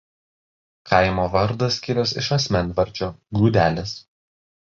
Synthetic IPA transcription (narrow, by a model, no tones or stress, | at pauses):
kʰɐɪmoːʋɐɾd̪ɐsʲkʲɪɾʲɛsɪʃɐsʲmʲɛnʋɐɾʲˑt͡ʃʲoːɡuːd̪ʲæːlʲeːs